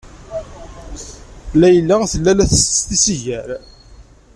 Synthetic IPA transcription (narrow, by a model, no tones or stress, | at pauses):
læjəlːaθəlːælæθəst̪sθisiʝæɾ